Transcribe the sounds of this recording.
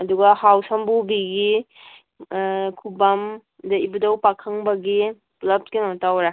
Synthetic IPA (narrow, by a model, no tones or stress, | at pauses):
ɐduɡɐhawsɐmbubiɡi | kʰubam | dɐibudɐwpakʰɐŋbɐɡi | plɐp̚kinɔtawɾa